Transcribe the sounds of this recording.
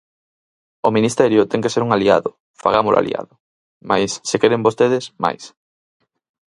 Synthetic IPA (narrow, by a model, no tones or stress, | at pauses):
ominist̪ɛɾjʊt̪ɛŋkeseɾuŋalia̰ðʊ | faɣamʊla̰lḭa̰ðʊ | majsːekeɾembost̪eðesma̰js